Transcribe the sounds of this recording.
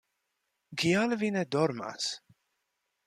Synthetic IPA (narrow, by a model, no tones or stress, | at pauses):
ɡialvinɛd̪ɔɾma̰s